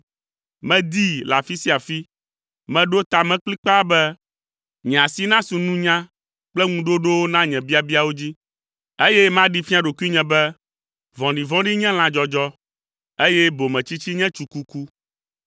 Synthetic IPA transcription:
mɛ̃˦d̪i˦la˨fi˦si˦a˨fi˦ | mɛ̃˨ɖo˦t̪a˨mɛ̃˦k͡pli˦k͡pa˦bɛ˦ | ɲɛ̃˨a˨si˦nã˦sũ˨nũ˦ɲã˦ | k͡plɛ˦ŋũ˦ɖo˦ɖo˦wo˦nã˦ɲɛ̃˨bi˦a˨bi˦a˦˨wo˦d͡ʑi˦ | e˦jɛ˦mã˦ɖi˦fi˦a˨ɖo˨ku˦i˦ɲɛ̃˨bɛ˦ | vɔ̃˨ɖĩ˨vɔ̃˦ɖi˦ɲɛ̃˦l̃ã˨d͡ʒɔ˨d͡ʒɔ˦ | e˦jɛ˦bo˨mɛ̃˨t͡ɕi˦t͡ɕi˦ɲɛ̃˦t͡ʃu˨ku˦ku˦

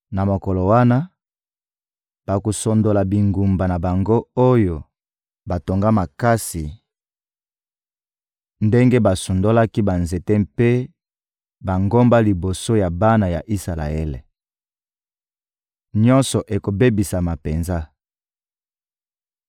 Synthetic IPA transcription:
na˨mo˨kɔ˨lo˨wa˦na˦ | b̥a˨ko˨so˨ndo˨la˨bi˨ŋɡu˨mba˨na˨ba˨ŋɡo˦o˦jo˨ | ba˨to˨ŋɡa˦ma˨ka˦si˨ | nde˦ŋɡe˦ba˨su˨ndo˦la˦ki˦ba˨nze˨tɛ˦mpe˦ | ba˨ŋɡo˦mba˦li˨bo˨so˦ja˨ba˦na˨ja̰˨ʔi˦sa˨la̰˨ḛ˦lḛ˨ | ɲɔ˦nsɔ˨ʔe˨ko˨be˦bi˨sa˨ma˨pe˨nza˦

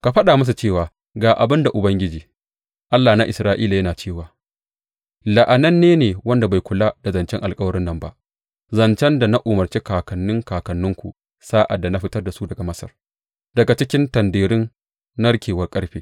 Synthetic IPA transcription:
ka˨ɸɐ˦ɗaː˨mɐ˦s̬u˨t͡ʃeː˦˨waː˨ | ɡaː˨ʔa̰˨bɪ˦nda˨ʔʊ˨bɐ˦ŋɡʲɪ˦d͡ʒiː˨ | ʔa˦lːaː˨na˦ʔɪ˨sɾaː˦ʔiː˦la˨jɐ˦naː˨t͡ʃeː˦˨waː˨ | lɐ˨ʔa˨nɐ˦nːeː˦neː˨wɐ˦nda˨ba˨jkʷʊ˨laː˦d̥a˨zɐ˨nt͡ʃɛ˦ŋʔa˨lkʼɐ˦wɐ˦ɾɪ˦nːɐ˨mba̰˦ʔ | zɐ˨nt͡ʃɛ˦nda˨na˦ʔʊ˨mɐ˨rt͡ʃeː˦kaː˨kɐ˨nːʊ˦ŋkaː˨kɐ˨nːʊ˦ŋkʷṵ˨ | saː˦ʔa̰˨dːa˨na˦ɸɪ˦tɐ˦rda˨su˦dɐ˨ɡa˨mɐ˦sɐ̰˨r | dɐ˨ɡa˨t͡ʃɪ˦kʲɪ˦ntɐ˨ndeː˨ɾɪ˦nː | ɐ˦ɽkʲʰeː˨wɐ˦rkʼɐ˦ɽɸeː˦

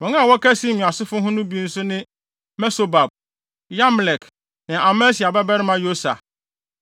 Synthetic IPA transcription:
wɔ̃˨˦ŋã˦a˨wɔ˦kʰɛ˦sĩ˦mĩ˨a˨sʊ˦fʊ˦ɦʊ̃˦nʊ̃˦bi˦n̩˦sʊ˦nɪ̃˦ | mɛ˦so˨ba˨b̚ | ja˦m˨lɛ˨k | nɪ̃˨ʔa˨mɛ̃˦si˨a˨bɛ˦bɛ˦ɾɪ˦mã˦jo˦sa̰˨

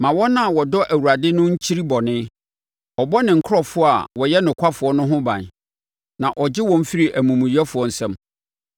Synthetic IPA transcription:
mã˨wɔ̃˦nã˦˨wɔ˨dɔ˦ʔæ˨wu˨ɾa˨dɪ˦nʊ̃˦ɲ̩˦t͡ɕʰi˦ɾi˦bɔ˨nɪ̃˦ | ɔ˨bɔ˦nɪ̃˨ŋ̩˨kʰɔ˦fʊ˦a˨wɔ˨jɛ˦nʊ̃˨kʷʰa˦fʊ˨ɔ˦nʊ̃˦ɦʊ̃˦bã̰˨n | nã˨ʔɔ˨d͡ʑɪ˦wɔ̃˨m̩˦fi˦ɾi˨ʔæ˨mũ˨mũ˨i˦ɛ˦fʊ˨ɔ˨n̩˨sɛ̃˦m

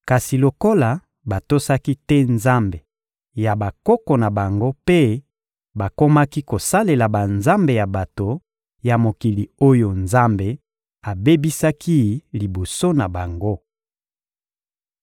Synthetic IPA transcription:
ka˨si˨lo˨ko˦la˨ | ba˨to˦sa˦ki˦tɛ˦nza˦mbe˨ | ja˨ba˨kɔ˦kɔ˨na˨ba˨ŋɡo˦pe˦ | ba˨ko˦ma˦ki˦ko˨sa˦le˨la˨ba˨nza˦mbe˨ja˨ba˨to˨ | ja˨mo˨ki˨li˨o˦jo˨nza˦mbe˨ | a˨be˦bi˦sa˦ki˦li˨bo˨so˦na˨ba˨ŋɡo˦

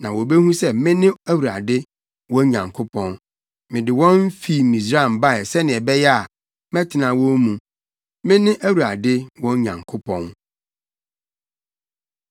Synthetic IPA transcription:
nã˨wɔ˨bɛ˦hũ˦sɛ˦mɪ̃˦nɪ̃˦æ˦wu˨ɾa˨dɪ˦ | wɔ̃˦ɲã˨ŋkʰʊ˦pʰɔ̃˦n | mɪ̃˨dɪ˨wɔ̃˦m˦fi˦˨mĩ˨s̬ɾa˦˨m˨ba˦˨ɛ˨sɛ˦nɪ̃˨ɛ˨bɛ˦jɛ˦a˨ | mɛ̃˦tʰɪ˨nã˨wɔ̃˦mũ˨ | mɪ̃˦nɪ̃˦ʔæ˦wu˨ɾa˨dɪ˦wɔ̃˦ɲã̰˨ŋkʰʊ˦pʰɔ̃˦n

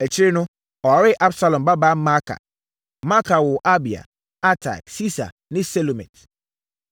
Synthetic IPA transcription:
ɛ˨t͡ɕʰɪ˦ɾɪ˦nʊ̃˦ | ɔ˨ɾɪ˦ʔa˦bsa˨lɔ̃˨mba˦ba˦ma˦kʰa̰˨ | ma˦kʰa˨wʊ˨ʔa˦bi˨a̰˨ | a˦tʰa̰˨ksi˦sa̰˨ | nɪ̃˦sɛ˦lo˨mɛ̰̃˨t

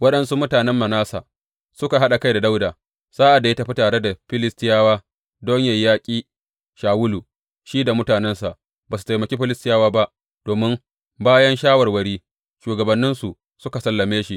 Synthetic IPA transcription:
wɐ˦ɗɐ˦nsu˦mʊ˦taː˨nɛ˦mːɐ˨naː˦sa̰ː˨ | sʊ˦ka˨ɦa˦ɗa˨ka˦jda˨da˦wdaː˨ | saː˦ʔa˨da˨je˦ta˦ɸi˦taː˨ɽe˦da˨ɸɪ˦lɪ˦stɪ˦jaː˦waː˦ | doː˦ɲjɐ˨jːaː˦kʲʼiː˦ | ʃaː˨wʊ˦lu˨ | ʃiː˦da˨mʊ˦taː˨nɛ˦nsa˨ʔ | baː˨su̥˨ta˨jmɐ˨kʲeː˦ɸɪ˦lɪ˦stɪ˦jaː˦waː˦ba˦ʔ | d̥oː˨mɪ˦m | baː˦jɐ˦nʃaː˦wɐ˨rwɐ˨ɽiː˦ | ʃuː˨ɡɐ˨bɐ˨nːɪ˦nsu˨ | sʊ˦ka˨sɐ˦lːɐ˨meː˦ʃi˦ʔ

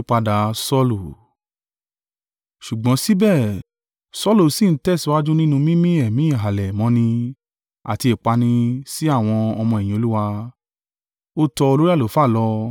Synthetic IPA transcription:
k͡pa˧da˨˧sɔ˦lu˦˨ | ʃu˨ɡ͡bɔ̃˨˦si˦bɛ˦˨ | sɔ˦lo˦˨si˨n̩˦tɛ˦˨si˧˦wa˦d͡ʒũ˦nĩ˦nũ˧mĩ˦mĩ˦ɛ˨mĩ˦˨ɦa˨lɛ˨mɔ̃˨˦nĩ˧ | a̰˨ti˧e˨k͡pa˧nĩ˧si˦a˦˨w̃ɔ̃˧ɔ˧mɔ̃˧ɛ˨j̃ĩ˨o˧lu˦wa˧ | o˦tɔ˧o˧lo˦ɾi˦a˦˨o˨˦fa˦˨lɔ˧

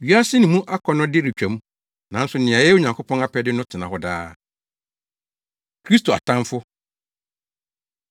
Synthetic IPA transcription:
ɥi˦a˦sɪ˦nɪ̃˨mũ˦ʔa˦kʰɔ˦nʊ̃˦dɪ˦ɾi˨t͡ɕᶣæ̃˨mũ˦ | nã˨n˦sʊ˨˦nɪ̃˨ã˨jɛ˦o˨ɲã˨ŋkʰo˦pʰɔ̃˦na˦pʰɛ˦dɪ˦nʊ̃˦tʰɪ˨nã˨hɔ˦da̰ː˦ | kʰɾi˦stʰo˨a̰˨tʰã˦mfʊ˦

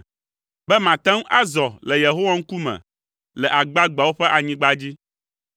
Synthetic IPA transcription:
bɛ˦mã˨t̪ɛ̃˦ŋ˦ʔa˦zɔ˨lɛ˨je˨ɦo˦wa˦ŋ̩˦ku˦mɛ̰̃˨ | lɛ˨ʔa˨ɡ͡ba˦ɡ͡ba˨wo˦ɸɛ˦ʔa˨ɲĩ˦ɡ͡ba˦d͡ʑi˦

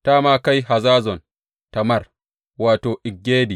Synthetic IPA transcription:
taː˦maː˦ka˦jɦa˨zaː˦zɔ˨n | ta˨mɐ˦˨r | waː˨toː˨ʔɪ˨ɡːeː˦di˨

